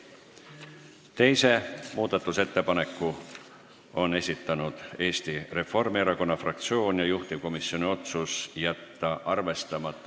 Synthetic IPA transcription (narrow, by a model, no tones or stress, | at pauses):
t̪e̞jse̞muːd̪̥ɑt̪ːˑuse̞t̪ːe̞pɑne̞kːˑu | o̞ne̞sʲit̪ːˑɑnud̪̥e̞ːst̪ire̞fo̞rmieɾɑko̞nːɑfrɑk̚t̪sio̞ːnjɑjuht̪iko̞misːio̞nʲio̞t̪susjæt̪ːɑʔɑrve̞st̪ɑmɑt̪ˑːɑ